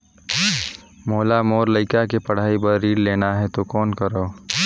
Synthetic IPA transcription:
moːlamoːɾləɪkakepəɽ̤aːibəɾːiːɽleːnaɦɛt̪okɔːnkəɾəː

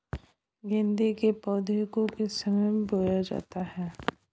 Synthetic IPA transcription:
ɡẽnd̪ekepɔːd̪ʱekõkesəməmboːjad͡ʒa̰ːt̪aɦɛː

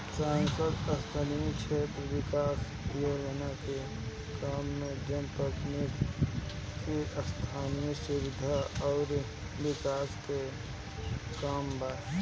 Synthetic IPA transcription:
sãːŋsəd̪əst̪ʰanijəkʃʰeːt̪ɾʋɪkaːs | joːd͡ʒənake | kaːmːẽd͡ʒənpəknik | kiʔəst̪ʰaːnijəsʊwɪd̪ʱaɔːɾ | wɪkaːske | kaːmbaː

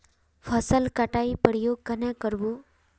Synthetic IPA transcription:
pʰəsəlkaʈaipəɾijoɡ̚kənekəɾʋu

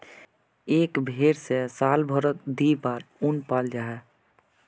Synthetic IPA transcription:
eːkbʱeːɾsesaːlbʱɔɾət̪d̪ipaːɾunpaːld͡ʒaːɦɛ

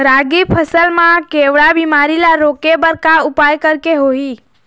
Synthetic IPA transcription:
ɾaɡipʰəsəlmãkeʋɽabimaɾilaɾokebəɾkaʊpajkəɾkeɦoi

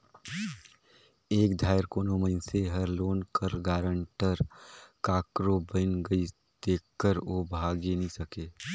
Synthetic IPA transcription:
eːkd̪ʱaːjɪɾkoːnoməɪnseɦɐɾloːnkəɾɡaːɾə̃ɳʈəɾkaːkɾobənɡɐi | d̪̥eːk̚ʰkːəɾoːbʱaːɡenɐɦĩsɐkeː

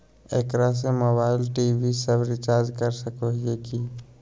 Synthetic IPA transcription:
ekɾas̬emɐbaːɪlʈiːbʱisəbɾɪt͡ʃaːɾd͡ʒkəɾsəkoɦieki

